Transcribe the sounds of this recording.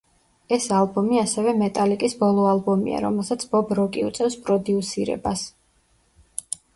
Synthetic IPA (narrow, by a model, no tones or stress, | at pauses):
ɛsalˠbɔmiasɛvɛmɛt̪ʼalikʼisbɔlˠɔalˠbɔmḭa̰ɾɔ̰mɛlˠsat̪sʰbɔbɾɔkʼiṵt̪sʼɛfspʼɾɔd̪iusiɾɛ̰bas